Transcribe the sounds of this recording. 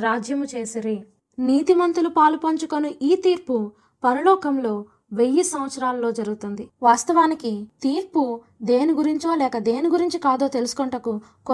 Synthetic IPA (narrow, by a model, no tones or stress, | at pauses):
ɾaːd͡ʒjɐmut͡ʃeːsiɾi | niːt̪imɐnt̪ulupaːlupɐɲt͡ʃukonuʔiːt̪iːɾpu | pɐɾɐlɔːkɐmlo̞ː | ʋejːisɐmʋɐt̪sɐɾaːlɐlo̞ːd͡ʒɐɾuɡut̪und̪iʋaːst̪ɐʋaːnikit̪iːɾpu | d̪e̞ːniɡuɾiɲt͡ʃo̞ːlɛːkɐd̪e̞ːniɡuɾiɲt͡ʃikaːd̪o̞ːt̪e̞lusu̥kɔɳʈɐku | k